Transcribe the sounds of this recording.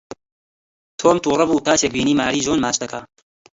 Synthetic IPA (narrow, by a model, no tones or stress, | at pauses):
t̪ʰoːmt̪uːrˤɐbuːk̪aːt͡ʃek̚biːniːmaːɾiːʒoːnmaːt͡ʃd̪ɐka